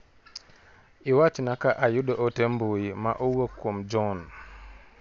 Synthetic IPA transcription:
ʔiwat͡ʃinakaʔajuɗɔʔɔtembojima̰ʔɔwokːɔmd͡ʒɔn

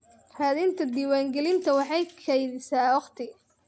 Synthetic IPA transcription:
haːðɪnt̪ʰɐd̪iːwaːŋɡɛlɪnt̪ʰɐwɑħɑjkʰɐjðɪsaːwɑχt̪ʰɪ

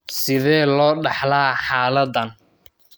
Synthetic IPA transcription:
sɪðɛːlɔːɖɑħlaːħaːlɐðɐn

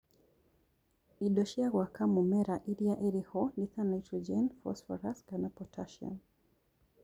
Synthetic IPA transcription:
iɗɔʃiaɣwakamumɛɾaʔiɾiaʔɛɾihɔniθanaitɾɔd͡ʒɛnfɔ̰sfɔ̰ɾasɡanapɔtʰaʃa̰n

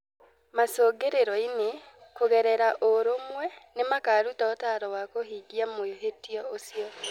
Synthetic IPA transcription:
masoːɡeɾeɾɔinekoɣɛɾɛɾaʔoɾomwɛnemakaːɾutaotaɾɔwakohiɡiamoeɦetijɔosiɔ

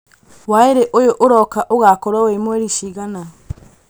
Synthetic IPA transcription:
waeɾeʔojoʔoɾɔkaʔoɣakɔɾaowemwɛɾiʃiɣana

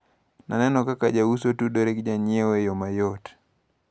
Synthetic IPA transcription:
na̰nɛnɔkakad͡ʒausotudoɾekd͡ʒaɲɪewejomajot

